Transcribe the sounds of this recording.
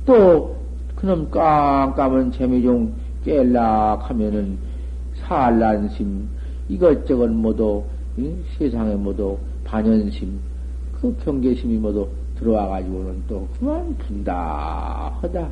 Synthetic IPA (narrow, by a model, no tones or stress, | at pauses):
t͈o | kɯnʌmk͈aŋk͈amɯnt͡ɕemid͡ʑoŋ | k͈elːakʰamjʌnɯn | sʰaɭːanɕʰim | iɡʌt͡ɕ͈ʌɡɯnmʌdo | i | sʰesʰaŋemwʌdo | paɲʌnɕʰim | kɯkjʌŋɡeɕʰimimʌdo | tɯɾʌwaɣad͡ʑiɡonɯnt͈okɯmanpunda̰ | hʌda